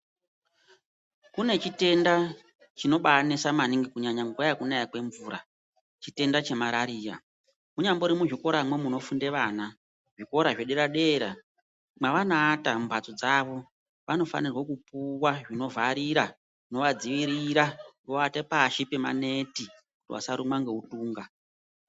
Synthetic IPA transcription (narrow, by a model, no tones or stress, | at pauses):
kune̞t͡ʃite̞nda | t͡ʃino̞ɓanesamaniŋɡikuɲaɲaŋɡuajakunajakwe̞ɱvuːɾa̰ | t͡ʃite̞ndat͡ʃe̞maɾaɾiːra̰ | muɲamboɾimuʐiko̞ɾamwe̞muno̞funde̞ʋaːna | ʐiko̞ɾaʐeɗeɾaɗe̞ɾa̰ | maʋanaːtamubat͡sod͡zaʋo̞ | ʋano̞fa̰nirwekupuwaʐino̞vaɾiɾa | no̞ʋad͡ziʋiɾiɾaŋɡoatepaʃipema̰ne̞ti | kutiwa̰saɾumwaŋɡe̞utuːŋɡa